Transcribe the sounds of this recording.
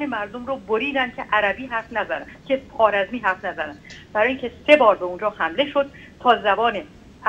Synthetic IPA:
hemæɾd̪omɾoboɾiːd̪ænd̪kʲʰeʔæɾæbiːɦæɾfnæzæd̪æn̥kʲʰe̞pʰɒːɾæzmiːɦæɾfnæzænænd̪̥̚b̥æɾɒːʔiːŋkʲʰe̞se̞bɒːɾbeund͡ʒɒːhæmle̞ʃod̪̥̚ | t̪ʰɒːzæbɒːne

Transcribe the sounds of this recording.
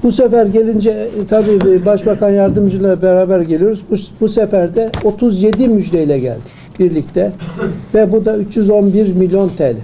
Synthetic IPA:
busɛfæɾɟelʲind͡ʒɛt̪ʰabiːbaʃbakanjaɾd̪ɯmd͡ʒɯlˠabɛɾaːbæɾɟelijo̞ɾuzbubusɛfæɾd̪ɛo̞t̪ʰuzje̞d̪imyd͡ʒd̪ɛilʲɛɟæ̰lʲd̪ɪ | b̥iɾlʲict̪ʰɛvɛbud̪ayt͡ʃjyzo̞nbiɾmilʲjio̞nt̪ʰɛlʲɪ

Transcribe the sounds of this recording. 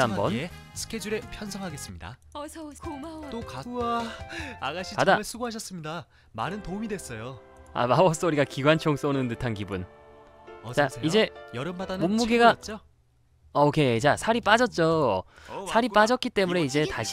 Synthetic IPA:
ambʌn | sʰɯ̥kʰed͡ʑuɾe̞pʰjʌnsʰʌŋɦaɡe̞s͈ɯmɲida̰ | t͈okaaaɡaɕʰikdaaɭs͈ʰuɡoɦaɕʰʌs͈ɯmɲida | maɾɯntomidwe̞s͈ʌjo | a̰mabʌs͈ʌuɾiɡakiɡwant͡ɕʰʌŋs͈ʌnɯndɯtʰank̬ibun | t͡ɕaid͡ʑe̞jʌɾɯmbadanomːuɡiɡat͡ɕ͈ | aokʰe̞t͡ɕasʰaɾip͈ad͡ʑʌt̚t͡ɕ͈o | sʰaɾip͈ad͡ʑʌt̚k͈it͈e̞mune̞id͡ʑe̞taɕʰ

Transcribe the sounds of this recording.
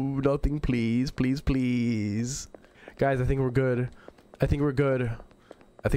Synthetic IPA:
nʌθɪ̃ŋpʰl̥iz̥pʰl̥izpʰl̥iz̥ɡ̥aɪzaɪθɪ̃ŋkwɨɹɡʊdaɪθɪ̃ŋkwɨɹɡʊd | aɪθɪ̃ŋ

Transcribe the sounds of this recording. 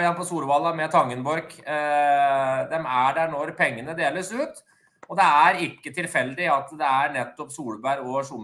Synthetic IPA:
ɪjɛnpʰɔsuːlʋɑlːɑmɛt̪ʰɑŋːənbɔɾk | d̪ɛmæɖæɳɔɾpʰɛŋːənəd̪eːləsʉːt̪ | ɔd̪ɛæɾɪkːət̪ʰɪlfɛlːd̪ɪɑt̪d̪ɛæɾɳɛt̪ːɔpsuːlbæɾɔʂʊm

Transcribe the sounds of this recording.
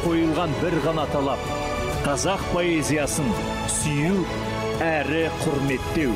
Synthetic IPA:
qʰo̞jəlˠʁɑnbɪɾʁɑnɑt̪ʰɑlˠɑp̚ | qʰɑzɑq̚pʰo̞ezʲijɑsən | sʏju | æɾɪqʰʊɾme̞t̪ːe̞w

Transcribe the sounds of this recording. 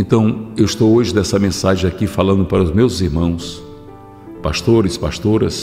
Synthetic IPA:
ẽnt̪ɐ̃w̃ewist̪owoʒɪnɛsɐmẽsaʒẽakifalɐ̃nd̪ʊpaɾɐʊzmewziɾmɐ̃w̃s | paʃt̪oɾɪspaʃt̪oɾɐs

